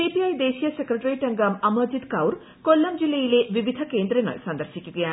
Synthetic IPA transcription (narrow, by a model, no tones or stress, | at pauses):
ipiajd̪esijɐsekɾeʈɐɾiʈɐŋɡɐmɐmɐd͡ʒid̪kawɾ | kolːɐmd͡ʒilːejlebibid̪ʱɐkend̪ɾeŋɐ̰jsɐnd̪ɐɾsikikja